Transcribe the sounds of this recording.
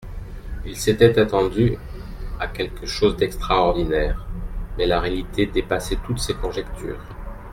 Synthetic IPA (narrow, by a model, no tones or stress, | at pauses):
ilset̪ɛt̪at̪ɑ̃d̪y | akʲɛlkəʃozd̪ɛkst̪χaɔʁd̪inɛːʁmɛlaʁealit̪ʰed̪epasɛt̪ut̪sekɔ̃ʒɛkt̪ʰy̰ːʁ